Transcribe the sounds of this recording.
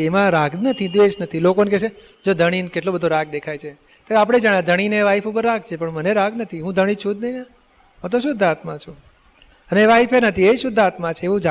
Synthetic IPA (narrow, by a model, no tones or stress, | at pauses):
emãɾaɡnət̪ʰid̪ʋed͡ʒnət̪ʰilokonekɛʃe | d͡ʒod̪ʱəɽ̃inkeʈlobəd̪ʱoɾaɡ̚d̪ekʰajt͡ʃʰe | t̪oapəɽ̃ed͡ʒaɳjãd̪ʱəɽ̃ineʋaifupəɾːaɡ̚t͡ʃʰepəɳməneɾaɡnət̪ʰiɦũd̪ʱəɽ̃ĩt͡ʃʰũd̪nəɦia | ɦə̃t̪oʃ̬ʊd̪ʱat̪mãt͡ʃʰũ | əneʋaifenət̪ʰieʃʊd̪ʱːat̪mãt͡ʃʰeeʋũd͡ʒa